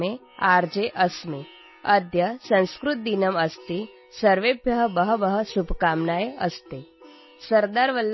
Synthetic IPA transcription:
e | aɾd͡ʒeʔəsme | ɐd̪ʱjɐsɐ̃nskɾut̪̚d̪inəməst̪i | sɐɾʋebʱjɐɦəbəɦəʋəɦəsubʱkamnaːjeɐst̪e | sɐɾd̪aːɾʋəlː

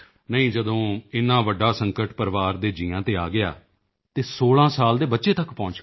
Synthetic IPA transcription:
nəɦĩːd͡ʒəd̪õːɪnːãːʋəɖːaːsəŋkəʈpəɾʋaːɾd̪eːd͡ʒĩːãːt̪eːaːɡɪaː | t̪eːsoːɭãːsaːld̪eːbətːʃeːt̪əkpɔ̃ːnt͡ʃ

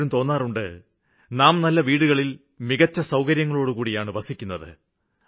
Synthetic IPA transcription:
ɾumt̪o̞ːnːaːruɳɖɨ | naːmnɐlːɐʋiːɽuɣɐɭil | miɣɐt͡ɕːɐsɐwkɐɾjɐŋːɐɭo̞ːɽukuːɽijaːɳɨbɐsikʲːunːɐðɨ̰

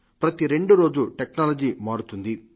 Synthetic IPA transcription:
pɾɐt̪iɾe̞ɳɖuɾo̞ːd͡ʒuʈeknaːlɐd͡ʒiːmaːɽut̪und̪i

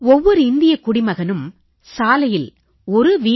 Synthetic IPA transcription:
ɔʋːɔɾɯɪnd̪ɪjɐkːʊɽɪmɐɣɐnɯm | saːlɐjɪl | ɔɾɯʋiː

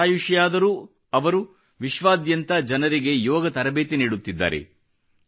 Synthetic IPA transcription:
aːjuʃɐjaːd̪ɐɾu | ɐʋɐɾu | ʋiʃʋaːd̪jɐnt̪ɐd͡ʒɐnɐɾiɡe̞jɔːɡɐt̪ɐɾɐbeːt̪eniːɽut̪ːid̪ːa̰ːɾe̞̰

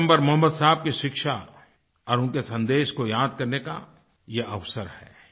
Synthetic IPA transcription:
mbəɾmɐɦəmːəd̪saɦb̚kiʃɪkʃa | ɔːɾʊ̃nkesɐ̃nd̪eːʃkojaːd̪kɐɾneka̰ | jeʔɐʋsəɾhɛ̰ː

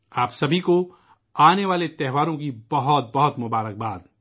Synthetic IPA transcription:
aːpsɐbʱiko | aːneʋaːlet̪ɛɦʋaːɾõkibɐɦʊt̪̚bɐɦʊt̪mʊbaːɾək̚baːd̪

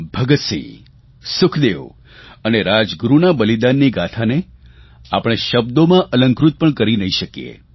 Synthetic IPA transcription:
bʱəɡət̪sḭ | sʊkʰd̪eʋ | əneɾad͡ʒɡɾunabəlid̪anːiɡat̪ʰane | a̰pəɽ̃eʃəb̚d̪omãʔələ̃ŋkɾut̪̚pəɳkəɾinəɦiʃəkijḛ

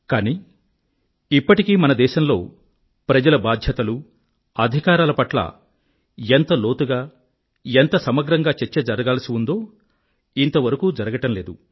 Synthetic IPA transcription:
kaːniː | ipːɐʈikiːmɐnɐd̪ɛːʃɐmlo̞̰ː | pɾɐd͡ʒɐlɐbaːd̪ʱjɐt̪ɐlu | ɐd̪ʱikaːɾaːlɐpɐʈlɐ̰ | ent̪ɐlo̞ːt̪uɡaː | ent̪ɐsɐmɐɡɾɐŋɡaːt͡ʃeɾt͡ʃːɐd͡ʒɐɾɐɡaːlɐsiund̪o̞ː | int̪ɐʋɐɾɐkuːd͡ʒɐɾɐɡɐʈɐmle̞ːd̪u

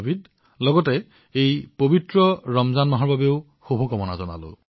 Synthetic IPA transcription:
bid | lɔɡɔtɛ | ejpobitɹɔɹɔmzanmaɦɔɹbabeʊ | xobʱɔkɔmɔna̰zɔna̰lo̰

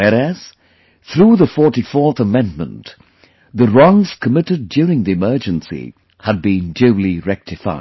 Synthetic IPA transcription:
wɛɹæz̥ | θɹuðəfɔɹɾifɔɹθəmɛ̃nmə̰̃nt | ðəɹɔ̃ŋz̥kʰəmɪɾɨdjʊɹɪ̃ŋðiɨmɜ˞d͡ʒɨ̃nsḭ | həd̚bĩndʉlˠiɹɛk̚tʰɨfa̰ɪd

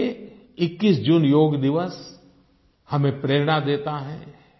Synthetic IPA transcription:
e | ɪkːisd͡ʒuːnjoːɡd̪ɪʋəs | hɐmẽpɾeːɾɽ̃ad̪eːt̪aɦɛː

